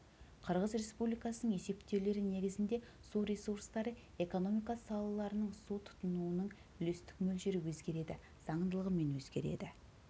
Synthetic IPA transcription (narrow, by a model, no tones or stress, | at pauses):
qʰəɾʁəzɾʲe̞spublijkɑsənəɴe̞se̞pt̪ewle̞ɾɪne̞ɡʲɪzɪnd̪e̞ | suɾʲe̞suɾst̪ɑɾə | e̞ko̞no̞mijkɑsɑlˠɑlˠɑɾənəɴsut̪ʰʊ̥t̪ənuwənəɴ | ʏle̞st̪ɪ̥kmɵlʃeɾɪwɵzɡʲe̞ɾe̞d̪ɪ | z̥ɑɴənd̪əlˠəʁəme̞nwɵzɡʲe̞̰ɾe̞̰d̪ɪ